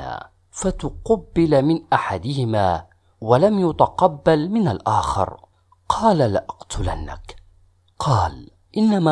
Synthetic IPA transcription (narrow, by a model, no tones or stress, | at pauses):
a̰ː | fat̪ʊqɑbːɪlmɪnʔaħad̪ɪhɪmaː | walamjʊt̪ɑqɑbːalmɪnalʔaːxɪ̰ɾ | qʰɑːlalaʔɑqt̪ʊla̰nːa̰k | qʰɑːl | ʔɪnːama